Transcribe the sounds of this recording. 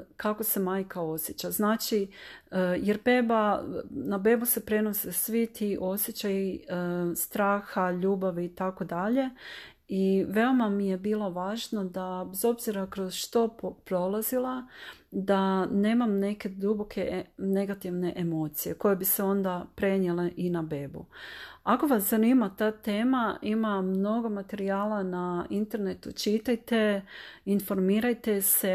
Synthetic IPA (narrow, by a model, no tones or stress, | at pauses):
kako̞se̞maːjkao̞sjet͡ɕaznaːt͡ʃiəjeɾbeːbanabe̞buse̞pɾe̞no̞sesʋit̪iʔo̞sjet͡ɕaji | st̪ɾaːxaʎuːbaʋiːt̪ako̞d̪aʎe̞ | iʋe̞o̞mamije̞biːlˠo̞ʋaːʒnod̪abezo̞bziɾakɾo̞zʃt̪o̞ppɾo̞lˠazilˠad̪ane̞ːmamne̞ke̞d̪ubo̞kʰe̞ne̞ɡat̪iʋne̞ʔemo̞ːt̪sije̞ko̞je̞biseo̞nd̪apɾe̞ɲjeleʔinabe̞ːbṵako̞ʋaszaniːmat̪aːt̪e̞ːmaimamno̞ɡo̞mat̪e̞ɾiaːlanaint̪e̞ɾnet̪ut͡ʃit̪ajt̪e̞info̞ɾmiːɾajt̪e̞se̞